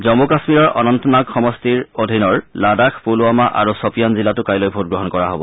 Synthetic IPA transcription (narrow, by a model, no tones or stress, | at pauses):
zɔmukasmiɹɔɹʔɔnɔntɔnaɡxɔmɔstiɹodʱinɔɹladakʰpuluamaʔa̰ɹusɔpijanzilatʊkajlojbʱut̚ɡɹɔɦɔnkɔɹaɦobɔ